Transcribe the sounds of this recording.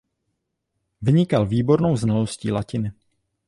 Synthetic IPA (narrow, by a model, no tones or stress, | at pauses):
vɪɲɪkalviːbo̞ɾno̞wznalo̞sciːlacɪnɪ